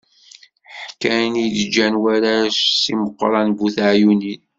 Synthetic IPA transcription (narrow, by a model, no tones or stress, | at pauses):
ħħkːænid̪d͡ʒːænwaɾaʃsiməqːɾˤɑnbuθaʕjunin